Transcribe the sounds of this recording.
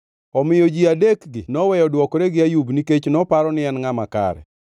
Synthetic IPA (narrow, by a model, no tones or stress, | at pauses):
ɔmɪjod͡ʒiadekɡɪnɔwɛjɔdwɔkɔɾeɡɪajubniket͡ʃnɔpaɾɔnɪɛnŋamaka̰ɾɛ̰